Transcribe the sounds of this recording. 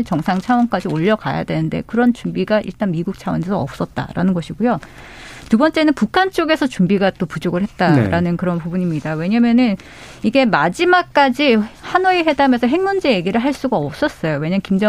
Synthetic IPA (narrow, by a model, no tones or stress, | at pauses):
t͡ɕʌŋsʰaŋt͡ɕʰawʌnk͈ad͡ʑioʎːʌka̰ja̰dwe̞nɯnde̞̰kɯɾʌnt͡ɕumbiɡaʔḭɭt͈anmiɡuk̚t͡ɕʰawʌnesʰʌʌ̰p̚s͈ʌt̚t͈a̰ɾa̰nɯnɡʌɕʰiɡujo | tubʌnt͡ɕ͈enɯnpukʰant͡ɕ͈oɡe̞sʰʌt͡ɕumbiɡat͈opud͡ʑoɡɯɭɦe̞t̚t͈aɾanɯnkɯɾʌnpubuɲimɲidawe̞ɲamjʌnɯn | iɡe̞mad͡ʑimak̚k͈ad͡ʑihanueɦe̞dame̞sʰʌɦe̞ŋmund͡ʑe̞je̞ɡiɾɯɭɦaɭs͈uɡaʌp̚s͈ʌs͈ʌjowe̞ɲamnŋkimd͡ʑʌ